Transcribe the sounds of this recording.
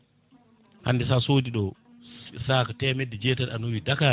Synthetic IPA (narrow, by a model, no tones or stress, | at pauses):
ha̰nːdisasoːdiɗɔ | sakatɛmɛdɛd͡ʒɛtaɾa̰nuwidaka